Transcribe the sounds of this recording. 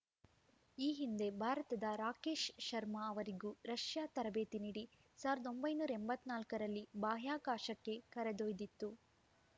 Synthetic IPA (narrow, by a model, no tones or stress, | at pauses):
iːɦind̪e̞bʱaːɾɐt̪ɐd̪ɐɾaːke̞ːʃʃɐɾmɐːʋɐɾiɡuːɾɐʃjaːt̪ɐɾɐbe̞ːt̪iniːɽi | saːʋɐɾɐd̪o̞mbɐjnuːɾɐembɐt̪ːnaːlkɐɾɐlːibaːɦjaːkaːʃɐkːe̞kɐɾɐd̪ojd̪it̪ːu